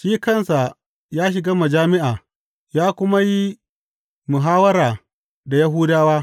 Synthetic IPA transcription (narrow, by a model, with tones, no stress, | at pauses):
ʃiː˦kɐ˦˨nsa˨ | jaː˦ʃ̬ɪ˨ɡaː˦mɐ˨d͡ʒaː˦mɪ˦ʔaː˨ | jaː˦kʷʊ˦ma˦ji˦ | mʊ˨ɦaː˦wɐ˦ɾaː˨ | da˨ja˦ɦuː˦daː˦waː˦